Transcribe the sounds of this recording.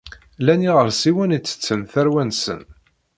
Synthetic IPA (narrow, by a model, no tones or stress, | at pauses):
læniʁəɾsiwænit͡sːə̥t͡sːənθæɾwænsə̰n